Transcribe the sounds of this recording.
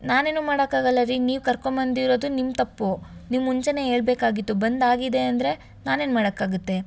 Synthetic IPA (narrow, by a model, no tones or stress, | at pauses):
naːne̞ːnuːmaːɽɐkːaːɡɐlːaɾiniːʋkɐɾkoɳbɐnd̪iɾo̞ːd̪unimt̪ɐpːunimːuɲt͡ʃɐne̞ɦe̞ːɭbeːkaːɡit̪ːubɐnd̪aːɡid̪e̞ɐnd̪ɾe̞ | naːne̞ːnumaːɽɐkːaːɡut̪ːe̞